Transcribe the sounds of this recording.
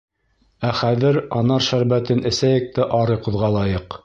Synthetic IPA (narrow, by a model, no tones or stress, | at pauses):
æχæðɘɾɑnɑɾʃæɾbæt̪ɘnʔɘ̆sæjɘ̆k̚t̪æʔɑɾɤjqŏðʁɑlˠɑjɤq